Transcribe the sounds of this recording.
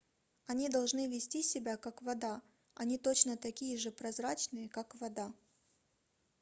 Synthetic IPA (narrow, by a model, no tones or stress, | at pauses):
ɐnʲid̪ɐlˠʐnɨvʲɪsʲtʲisʲɪbʲakakvɐd̪a | ɐnʲit̪ot͡ɕnət̪ɐkʲijəʐɨpɾɐzɾat͡ɕnɨjəkakvɐd̪a